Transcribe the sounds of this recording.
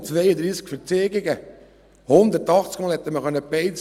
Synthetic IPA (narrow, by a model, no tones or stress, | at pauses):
t͡sʋejəd̪ɾiːskfəɾt͡seːɡɪɡə | hʊnd̪əɾtɑχt͡skmɑːlhɛt̪ːəməχœnːəpeɪt͡s